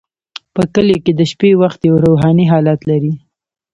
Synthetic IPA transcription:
pəkəleked̪əʃpewaxt̪jawɾoɦɑniɦɑlat̪laɾi

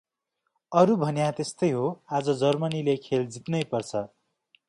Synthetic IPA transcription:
ʌɾubʱʌnjat̪est̪ʌjɦoad͡zʌd͡zʌrmʌnilekʰeld͡zit̪nʌjpʌrt͡sʰʌ

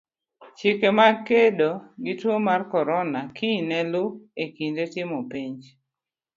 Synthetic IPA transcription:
t͡ʃɪkemakedoɡɪtwomarkɔɾɔnakʰinɛlʊekindetɪmɔpiɲd͡ʒ

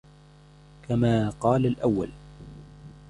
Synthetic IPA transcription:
kamaːqɑːlalʔawːa̰l

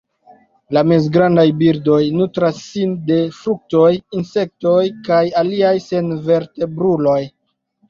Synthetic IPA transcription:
lame̞zɡɾandajbiɾdo̞jnutɾasːinde̞fɾuk̚to̞jinse̞k̚to̞jkajaliajse̞nve̞ɾte̞bɾulo̞j

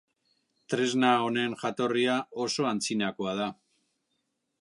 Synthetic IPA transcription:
t̪ɾe̞znao̞ne̞nʝat̪o̞riao̞so̞ant͡sinako̞að̞a

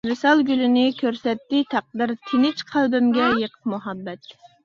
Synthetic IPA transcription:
mɨsɑlˠɡʲylɪnɪkʲʰøɾsɛt̪ːɪt̪ʰɑq̚d̪ɨɾt̪ʰɪnɪt͡ʃqʰælbɪmɡʲɛjəqʰə̥qmuɦɑbːɛt̪

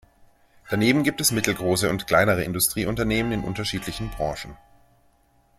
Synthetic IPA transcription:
d̥aneːbm̩ɡiːp̚tɛsmɪtl̩ɡʁoːsəʊntkʰl̥aɪnəʁəɪ̰ndʊstʁ̥iːʔʊntɐneːmənɪnʔʊ̰ntɐʃiːtlɪçn̩bʁɑ̃ːʃn̩

